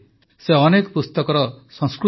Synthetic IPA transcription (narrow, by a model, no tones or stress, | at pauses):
seɔnekɔpust̪ɔkɔɾɔsɔ̃ŋskɾu